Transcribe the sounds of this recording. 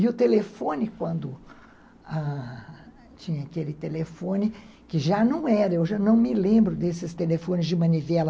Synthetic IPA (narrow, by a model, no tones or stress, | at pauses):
ɪʊt̪elefõnɪkwɐ̃nd̪ʊ | a | t͡ʃĩɲɐakelɪt̪elefõnɪ | kɪʒanɐ̃w̃ɛɾɐewʒanɐ̃w̃mɪlẽmbɾʊd̪esɪst̪elefõnɪzd͡ʒɪmɐ̃nivɛlɐ